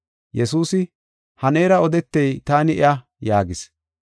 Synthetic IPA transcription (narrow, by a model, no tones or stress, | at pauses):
jɛsuːsɪ | hɐne̞ːɾɐɔd̪ɛt̪ːɛjt̪aːnɪʔɪ̰ʔa | jaːɡɪs